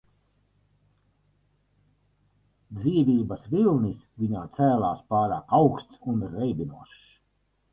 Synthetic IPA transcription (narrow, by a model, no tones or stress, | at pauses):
d̪ziːvʲiːbɐsvilˠnisvʲiɲaːt̪sæːlˠaːspaːɾaːkawkst̪sunɾɛjbinuɔʃ